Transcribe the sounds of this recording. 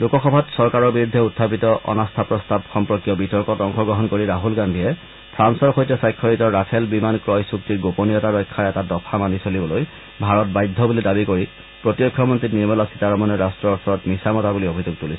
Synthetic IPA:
lukɔxɔbʱatsɔɹkaɹɔɹbiɹudʱːɛutʰːapitɔʔɔ̰nastʰapɹɔstabxɔmpɹɔkijɔbitɔɹkɔtɔŋxɔɡɹɔɦɔnkoɹiɹaɦulɡandʱiɛ | pʰɹansɔɹxojtɛsajkʰːɔɹitɔɹːatʰɛlbimankɹɔjsuktiɡoponijɔtaɹɔjkʰːaɹɛtadɔpʰamanisolibɔloj | bʱaɹɔt̚bajdʱːɔbulidabikoɹi | pɹɔtjɔkʰːjɔmɔntɹitniɹmɛlasitaɹɔmɔnɛɹastɹɔɔɹsɔɹɔtmisamɔtabuliobʱizuɡ̚tulisɛ

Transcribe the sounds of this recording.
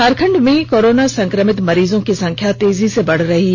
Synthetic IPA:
aːɾkʰə̃ɳɖmẽkoːɾoːnasɐ̃ŋkɾəmɪt̪mɐɾiːzõkisɐ̃ŋkʰjat̪eːzisebɐɽ̤ɾɐɦi

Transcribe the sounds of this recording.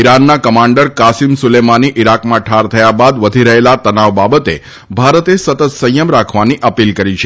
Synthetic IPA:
iɾanːakəmaɳɖəɾkasimsʊlemaniʔiɾakmãʈʰaɾt̪ʰəjabad̪ʋəd̪ʱiɾəɦelat̪ənaʋbabət̪e | bʱaɾət̪esət̪ət̪sə̃jəmɾakʰʋaniʔəpilkəɾit͡ʃʰe

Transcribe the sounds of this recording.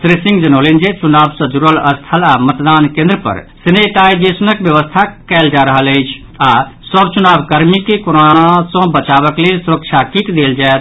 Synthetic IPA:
sɾesĩŋɡd͡ʒənolind͡ʒet͡ʃunaːbsə̃d͡ʒuɾələst̪ʰəlamət̪d̪aːnkẽnd̪ɾəpə̰ɾsineʈaid͡ʒesunəkbjəʋəst̪ʰakɛːld͡ʒaɾəɦələɪt͡ʃʰ | asəbt͡ʃunaːbkəɾmikekoɾonasə̃bət͡ʃaʋəklelsuɾəkt͡ʃʰakikd̪eld͡ʒaet̪

